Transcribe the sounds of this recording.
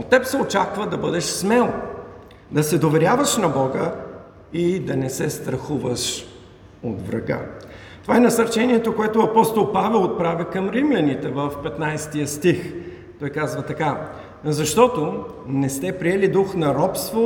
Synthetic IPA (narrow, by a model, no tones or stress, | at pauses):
ot̪ːɛpsɛot͡ʃakvəd̪ɐbɤd̪ɛʃsmɛlˠ | d̪ɐsɛd̪ovɛɾʲjavəʃnɐbɔɡə | id̪ɐnɛsɛst̪ɾɐxuvəʃ | ot̪vɾɐ̰ɡa̰ | t̪ovaɛnɐsɐɾt͡ʃɛniɛt̪okoɛt̪ʊɐpɔst̪olˠpavɛlˠot̪̚pɾavikɐmɾimlʲɐnit̪ɛvəfpɛt̪najst̪ijəst̪ix | t̪ɔjkazvɐt̪ɐka | zɐʃt̪ɔt̪onɛst̪ɛpɾiɛlid̪uxnɐɾɔpst̪vo